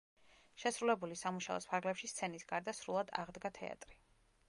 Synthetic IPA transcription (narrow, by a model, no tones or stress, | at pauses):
ʃɛsɾulɛbulisamuʃaɔ̰spʰaɾɡlɛpʃist̪sʰɛnisɡaɾd̪asɾulˠad̪a̰ʁd̪ɡat̪ʰɛ̰a̰t̪ʼɾi